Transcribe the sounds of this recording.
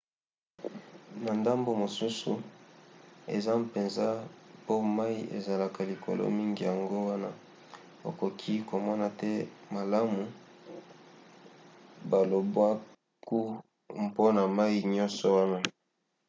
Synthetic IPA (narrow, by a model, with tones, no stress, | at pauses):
na˨nda˦mbo˨mo˨su˦su˨ | ḛ˨za˦pe˨nza˦po˦ma˦i˦ʔḛ˨za˨la˨ka˨li˨kʰo̰˨lo̰˦mi˦ŋɡi˨ja˨ŋɡo˦wa˦na˦ | o̰˨ko˨kʰi˦ko˨mɔ˦na˨tɛ˦ma˨la˦mu˨ | ba˨lo˨bwa˦ | ku˦ | mpo˦na˨ma˦i˦ɲɔ˦nsɔ˨wa˦na˦